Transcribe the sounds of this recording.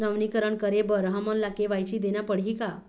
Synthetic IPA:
nəʋnikəɾəɳkəɾebəɾɦamənlakeʋajt͡ɕiːd̪enjapəɽɦika

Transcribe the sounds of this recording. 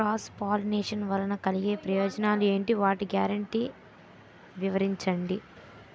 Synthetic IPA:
ɾaːspaːlneːʂɐnʋɐlɐnɐkɐliɡe̞ːpɾɐjoːd͡ʒɐnaːlue̞ːɳʈiʋaːʈiɡjaːɾɐɳʈiː | ʋiʋɐɾiɲt͡ʃɐɳɖi

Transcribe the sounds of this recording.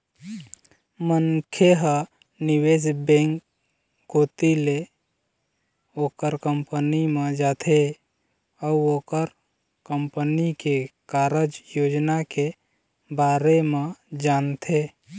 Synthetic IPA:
mənkʰjeɦə | nɪwesbẽːŋk | ɡoːt̪ile | oːkəɾkəmpənimẽd͡ʒaːt̪ʰe | əuoːkəɾ | kəmpənikekaːɾəd͡ʒjoːd͡ʒnake | baːɾemẽd͡ʒaːnt̪ʰe

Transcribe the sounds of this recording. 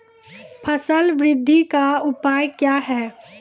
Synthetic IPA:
pʰəsəlʋɾɪd̪ʱːikaʊpaːjkjaːɦɛː

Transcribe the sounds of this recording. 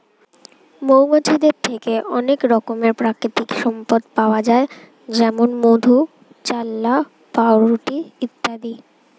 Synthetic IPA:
mowŋot͡ɕid̪eɾt̪ʰekeʔɔnekɾɔkomeɾpɾakɾit̪ikʃɔmpod̪paoad͡ʑae | d͡ʑɛmonmod̪ʱu | t͡ɕalːa | paoɾuʈiit̪ːad̪i

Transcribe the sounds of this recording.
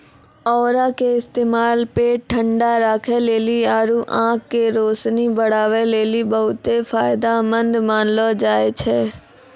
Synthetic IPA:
ɔːɾakeɪst̪eːmaːlpeːʈ̚ʈʰːə̃ɳɖaɾaːkʰeleːliaːɾuʔãːkːeɾoːsnibəɽ̤aːʋeleːlibəɦʊt̪efʰaːɪd̪amə̃nd̪maːnlod͡ʒaːet͡ʃʰɛː

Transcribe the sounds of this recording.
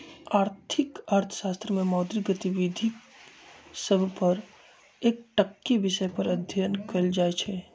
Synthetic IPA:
aːɾt̪ʰɪkaːɾt̪ʰə̥ʃaːst̪ɾəmẽmɔːd̪ɾiɡət̪iʋid̪ʱi | səbʱpəɾ | eːk̚ʈəkːiʋɪʃəpəɾəd̪ʱjənkeld͡ʒaːet͡ʃʰɛ

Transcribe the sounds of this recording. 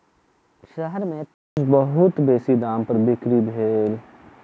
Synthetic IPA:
ʃəɦəɾmẽk | ʊd͡ʒbəɦʊt̪beːsid̪aːmpɐɾbɪkɾibʱeːl

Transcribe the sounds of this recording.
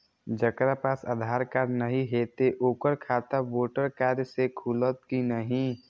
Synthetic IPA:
d͡ʒəkɾapaːsad̪ʱaːɾkaːɾnəɦĩɦeːt̪eʔoːkəɾkʰaːt̪aʋoːʈəɾkaːɾjsekʰulət̪̚kinəɦĩ

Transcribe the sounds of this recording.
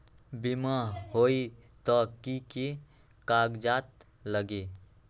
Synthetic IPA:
bimaɦoːit̪ɔkiki | kaːɡd͡ʒaːt̪ | ləɡi

